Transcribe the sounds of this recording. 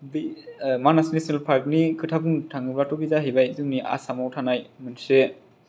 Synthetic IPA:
bimanasinesinelpʰaɾk̚nikʰɯtʰabuŋtʰaŋɯblatobizaɦibajzuŋniʔa̰samawtʰanajmɯnse

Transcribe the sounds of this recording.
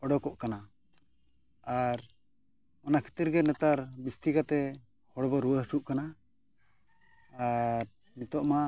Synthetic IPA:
ɔɖɔkɔʔkana | aɾ | ɔnakʰi̥t̪iɾɡɛnɛt̪aɾbist̪ikat̪ɛ | hɔɽbɔɾuwəɦsuʔkana | ɾ | nit̪ɔʔma

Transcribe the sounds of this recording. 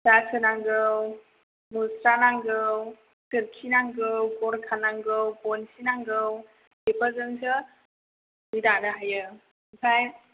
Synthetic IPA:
zasʰɯnaŋɡɯw | musɾanaŋɡɯw | tɯɾkʰinaŋɡɯwkɔɾkʰanaŋɡɯwbɔnsinaŋɡɯw | bepəzɯŋsɯ | midanɯɦajɯ | sʰaj

